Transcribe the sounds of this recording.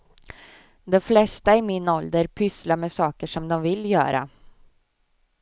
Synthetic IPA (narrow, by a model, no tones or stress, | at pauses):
d̪ɛflɛst̪aɪmɪnɔld̪əɾpʰʏslamɛːsɑːkəʂɔmd̪ɔmvɪljœ̰ːɾa̰